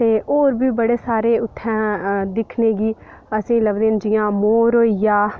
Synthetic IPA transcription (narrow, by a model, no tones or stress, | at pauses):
t̪eːʔoːɾbiːbəɽeːsaːɾeːʊt̪ʰːɛ̃ːd̪ɪkʰneːɡiː | əsĩːləɡd̪eːnd͡ʒɪjãːmoːɾoːijaː